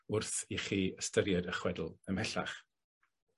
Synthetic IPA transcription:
ʊrθiχiːəstəɾjadəχwɛdl̩ˠəmɛɬa̰χ

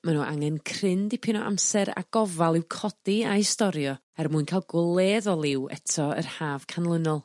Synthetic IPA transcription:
manuːʔa̰ŋɛnkʰrɪndipʰɪnɔʔa̰msɛɾa̰ɡ̥ɔvalˠɪwkʰɔd̥iaistɔɾjɔ | ɛrmuɨnkʰajlˠɡwlˠeːðɔlˠɪwɛ̰tʰɔə̰rhaːv̥kʰanlˠənɔlˠ

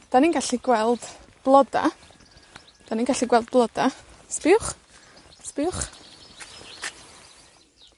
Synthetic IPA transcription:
d̥aninɡaɬiɡ̥wɛlˠd̥ | b̥lˠɔda̰ | d̥aninɡaɬiɡwɛlˠd̚blˠɔda | spɪwχ | spɪwχ

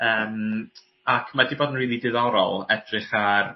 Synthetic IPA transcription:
əːm | akʰmadiboːdən̩riːlˠidɨðawɾɔ̰lˠɛdrɪχar

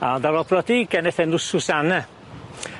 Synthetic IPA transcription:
adavɔpʰrɔdiɡ̥ɛnɛθɛnʊsʊsanɛ

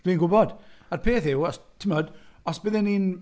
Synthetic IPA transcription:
ɡ̥liːnɡʊbɔd̥arpʰeːθɪwɔstʰɪmɔdɔsb̥ɪðɪniːn

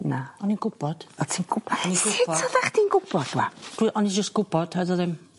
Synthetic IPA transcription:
naɔninɡʊb̥ɔd̥ɔtʰinɡʊbaɔniɡʊɪɔɔðaχd̥inɡʊb̥ɔd̥̚wa̰d̥wiʔɔnid͡ʒəstɡ̥ʊb̥ɔd̥haðɔðɪm

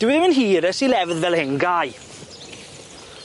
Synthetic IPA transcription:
d̥ɪwɪðmənɦiːɾəsilɛvðvɛlˠhɪnɡaːj

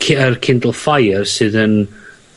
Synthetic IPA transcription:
kʰərkʰɪndəlˠfajərsɨːðən

